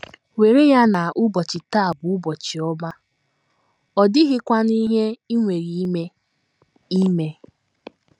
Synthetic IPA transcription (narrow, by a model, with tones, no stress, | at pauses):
we˨ɾe˦ja˦na˨ʔʊ˦bɔ˨t͡ʃɪ˨ta˦˨bʊ˨ʊ˦bɔ˨t͡ʃi˨ɔ˦ba˦ | ɔ˨dɪ˦ɦɪ˦kʷa˦ni˦ɦe˦i˦ŋʷe˨ɾi˨i˦me˦ | i˦me˦